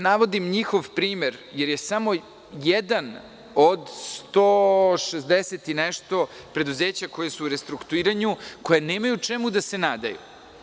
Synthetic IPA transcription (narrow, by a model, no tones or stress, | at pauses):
naʋo̞d̪imɲixo̞ʋpɾiːmeɾjeɾjesamo̞ | jɛd̪an | od̪st̪oːʃezd̪eset̪inɛʃt̪o̞ | pɾe̞d̪uzeːt͡ɕako̞jesuːɾest̪ɾukt̪uiːɾaɲuko̞jeneːmajut͡ʂemud̪ase̞naːd̪a̰jṵ